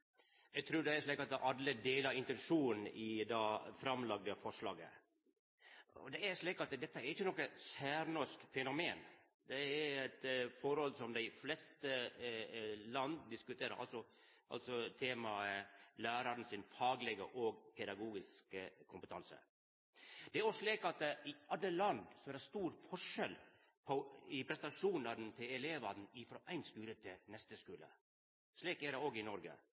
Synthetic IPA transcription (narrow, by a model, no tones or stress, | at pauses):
ɛɡt̪ʰɾʉːɖ̪ɛæʂɭiːkɑt̪ʔɑlːəd̪eːləɾɪnt̪ɛnʂuːn̩ɪd̪ɑːfɾɑmlɑɡ̚d̪əfɔʂlɑ̰ːɡə̰ | ɔ̰d̪ɛæɾʂɭiːkɑt̪d̪ɛt̪ːəæɾɪçːənɔkːəsæːɾnɔskfɛnʊmeːn | d̪ɛæɾɛt̪fɔɾɔlsɔmd̪æɪflɛst̪ə | lɑnd̪d̪ɪskʉt̪ʰeːɾə̰ɾʔɑ̰lsɔ | ʔɑ̰lt̪sɔt̪ʰeːmɑəlæːɾɑɾn̩sɪnfɑːɡlɛɡə̰ʔoːɡpʰɛd̪ɑɡuːɡɪskəkʰʊmpət̪ʰɑnsə̰ | d̪̥ɛæɾɔʂɭiːkɑt̪̚ɪɑd̪ːəlɑnd̪sɔæɾɛst̪uːɾfɔʂɛl | pʰɔɪpʰɾɛst̪ɑʂuːnɑɾn̩t̪ʰɪlɛleːʋɑnn̩ɪfɾoːʔæɪnskʉːɾət̪ʰɪnɛst̪əskʉːlə̰ | ʂɭiːkæɾɛoːɡɪnɔɾɡə̰